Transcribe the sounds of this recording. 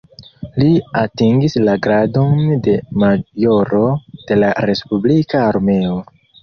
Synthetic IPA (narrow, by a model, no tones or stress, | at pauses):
liatiŋɡislaɡɾado̞nde̞majo̞ɾo̞d̥e̞laɾe̞spublikaːɾme̞o